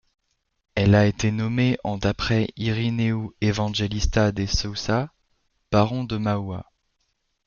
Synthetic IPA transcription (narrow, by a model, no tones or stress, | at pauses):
ɛlaet̪enɔmeʔɑ̃d̪apχɛiʁineuevɑ̃ʒelist̪ad̪esɔsa | b̥aʁɔ̃d̪əmawa̰